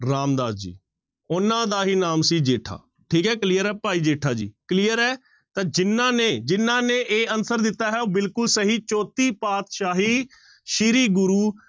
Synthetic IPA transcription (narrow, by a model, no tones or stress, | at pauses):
ɾaːmd̪aːd̪d͡ʒḭː | ʊnãːd̪aːɦiːnaːmsiːd͡ʒeːʈʰa̰ː | ʈʰiːkɦɛːkliːəɾɛːpaːiːd͡ʒeːʈʰaːd͡ʒḭːkliːəɾɛː | t̪ãːd͡ʒɪnːãːneːd͡ʒɪnːãːneːʔeːənsəɾd̪ɪt̪ːaːɦɛːoːbɪlkʊlsəɦiːt͡ʃɔːt̪iːpaːt̪ʃaːɦiː | ʃɪɾiːɡʊɾuː